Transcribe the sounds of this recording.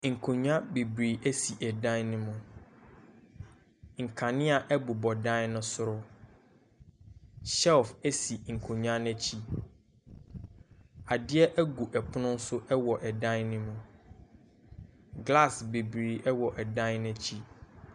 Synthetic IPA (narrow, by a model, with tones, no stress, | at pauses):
ŋ̩˨kʰo˨ɲu˦ã˦be˨bɾi˨ʔæ˦si˨ʔɛ˨dã˦nnʊ̃˦mʊ̃˨ | ŋ̩˨kʰã˨nɪ̃˦a˨ʔɛ˦bu˨bɔ˨dã˦nnʊ̃˦sʊ˦ɾʊ˦ | ɕɛ˦lfæ˦si˨ŋ̩˨kʰõ˨ɲũ˦ã˦n˦ɛ̃˦t͡ɕʰi˦ | a˨dɪ˦ɛ˦ʔæ˦ɡu˨ʔɛ˨pʰʊ˦nʊ̃˦n̩˦sʊ˦ʔɛ˦wɔ˨ʔɛ˨dã˦nnɪ̃˦mʊ̃˦ | ɡla˦˨sbe˨bɾiː˨ʔɛ˦wɔ˨ʔɛ˨dã˦nnʊ̃˦t͡ɕʰi˦